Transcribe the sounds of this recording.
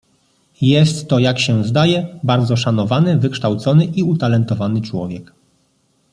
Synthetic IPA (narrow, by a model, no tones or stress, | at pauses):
jɛst̪ːɔjakɕɛzd̪ajɛbaɾd̪zɔʂanɔvanɘvɘkʂt̪awt̪sɔnɘʔiut̪alɛnt̪ɔvanɘt͡ʂwɔ̰vʲjɛk